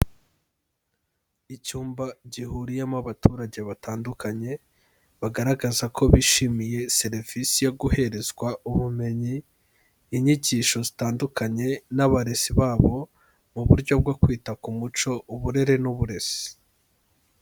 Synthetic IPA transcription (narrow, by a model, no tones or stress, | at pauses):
icuːmbaɟihuːɾijemaβatʰuɾaɟe̞βataːndukʰaɲe̞ | βaɡaɾaɡazakʰo̞βiʃimije̞se̞ɾv̥isijoɡuhe̞ɾe̞zɡwaʔuβume̞ɲiː | ɲiɟiːʃo̞zitaːndukʰaɲe̞naβaɾe̞siβaːβo̞ | muβuɾɟo̞b̚ɡo̞kwiːtakumut͡ʃo̞ʔuβuɾe̞ɾe̞nuβuɾe̞si̥